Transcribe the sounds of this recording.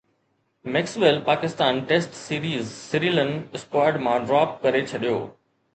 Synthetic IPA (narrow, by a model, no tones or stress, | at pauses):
mɛːksʋelpaːkɪst̪aːnʈeːsʈsiːɾiːzsɪɾiːlənɪspaːɖmãɖɾaːp̚kɐɾet͡ɕʰɐɗijoː